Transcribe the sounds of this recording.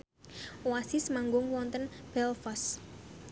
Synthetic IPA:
owasisəmaŋɡʊŋwɔnt̪ənb̥ɛlfɔs

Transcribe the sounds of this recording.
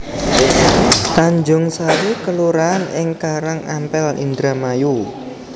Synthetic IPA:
t̪aɲd͡ʒʊŋsaɾukəluɾaːnɪŋkaɾaŋampɛlḭnd̪ɾamaju

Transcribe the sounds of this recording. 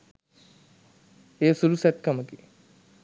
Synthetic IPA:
esulusɛt̪̚kaməki

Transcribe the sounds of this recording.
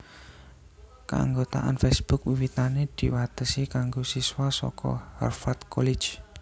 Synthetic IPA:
kaa̰ŋɡot̪a̰ʔa̰nfɛsb̥ʊk̚wiwit̪aned̪̥i̤wat̪əsikaŋɡosiswasɔ̰kɔ̰ha̰rfat̪kʰɔlɪdd͡ʒ

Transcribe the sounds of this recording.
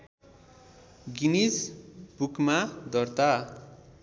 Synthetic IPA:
ɡinisbukmad̪ʌrt̪a

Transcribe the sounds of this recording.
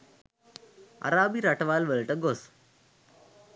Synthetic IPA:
a̰ɾabiɾaʈʋalʋəɭʈəɡos

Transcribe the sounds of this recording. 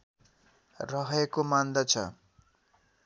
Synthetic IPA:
rʌɦekomand̪ʌt͡sʰʌ̰

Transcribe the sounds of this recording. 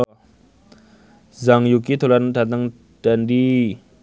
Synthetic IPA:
zaŋjukit̪ʰolandat̪̬aŋ | d̥andi

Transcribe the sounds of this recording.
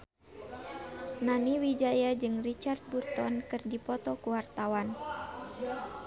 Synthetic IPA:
naniwid͡ʒajad͡ʒɨŋrit͡ʃart̪̚burt̪ɔnkɨrdipɔt̪ɔkuwart̪awan

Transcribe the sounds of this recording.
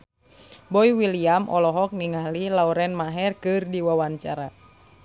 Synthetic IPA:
bɔiwiliamʔɔlɔɦɔk̚niŋalilauɾɛnmaɦɛrkɨrdiwawaɲt͡ʃaɾa

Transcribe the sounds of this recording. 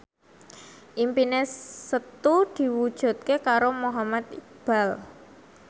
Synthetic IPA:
ʔimpinesət̪ud̪̥i̤wud̥ʒ̥ṳt̪̚kekaɾomoɦamat̪̚ik̚b̥a̤l

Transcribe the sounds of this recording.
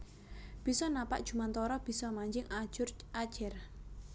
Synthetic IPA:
b̥i̤sɔnapa̰ʔd̥ʒ̥ṳmant̪ɔɾɔb̥i̤sɔmaɲd͡ʒɪŋad͡ʒʊr | ad̥ʒ̥ɛr

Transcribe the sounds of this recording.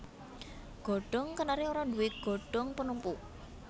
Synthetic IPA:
ɡ̥ɔ̤ɖ̥ɔŋkənaɾioɾadṳwɪt̪̚ɡ̥ɔ̤ɖ̥ɔŋpənumpu

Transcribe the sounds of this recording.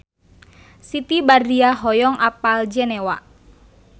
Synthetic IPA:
sit̪ibariaɦɔjɔŋʔapald͡ʒɛnɛwa̰ʔ

